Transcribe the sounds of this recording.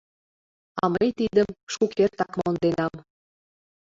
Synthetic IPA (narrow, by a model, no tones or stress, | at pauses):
ɑməjt̪id̪əmʃukert̪ɑkmond̪enɑm